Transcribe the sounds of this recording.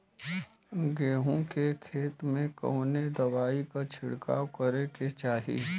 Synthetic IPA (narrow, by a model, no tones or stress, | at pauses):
ɡeːɦõkekʰeːt̪mẽkɐ̰ːʊned̪ɐwaːikat͡ʃʰɪɽka̰ːwkəɾeket͡ʃaːɦḭ